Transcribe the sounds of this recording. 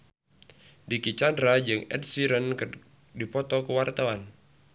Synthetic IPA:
dikit͡ʃandɾad͡ʒɨŋɛ̰d̚siɾənk | dipɔt̪ɔkəwart̪awan

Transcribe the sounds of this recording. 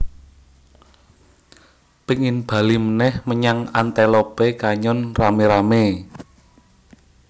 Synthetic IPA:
piŋɪnb̥a̤limənɛhməɲaŋant̪elopekaɲɔnrameɾame

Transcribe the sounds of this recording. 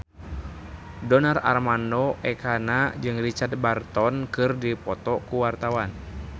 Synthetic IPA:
dɔnara̰rmandɔʔɛkanad͡ʒɨŋrit͡ʃard̪̚bart̪ɔnkɨrdipɔt̪ɔkuwart̪awan

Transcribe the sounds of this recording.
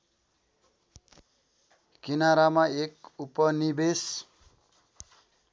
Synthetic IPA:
kinaɾamaekupʌnibes

